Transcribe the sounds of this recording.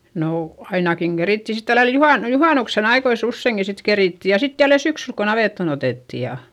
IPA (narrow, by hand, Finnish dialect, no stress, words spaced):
noː ɑinɑkiŋ ɡ̊eritːi sit tælːæl juhɑˑn juhɑˑnuksen ɑikois usːeiŋki sit keriˑtːi jɑ sit jælːe syksyl ko nɑʋeˑtːon oteˑtːi jɑ